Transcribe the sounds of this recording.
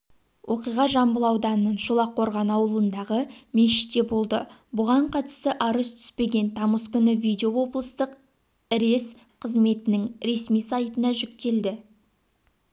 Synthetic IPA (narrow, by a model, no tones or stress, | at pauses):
wʔo̞qijʁɑʒɑmbəlˠɑwd̪ɑnənːənʃulˠɑqʰːo̞ɾʁɑnɑwəlˠənd̪ɑʁəmeʃɪ̥t̪ːe̞bo̞lˠd̪əbʊʁɑɴqʰɑt̪ə̥st̪əʔɑɾəst̪ʰʏ̥spe̞ɡʲe̞nt̪ʰɑməskʲʏnɪvijd̪ʲeowo̞blˠəst̪əq | ɪɾe̞s | qʰəzme̞t̪ɪnɪŋɾe̞smijsɑjt̪ənɑʒʏk̚t̪e̞ld̪ɪ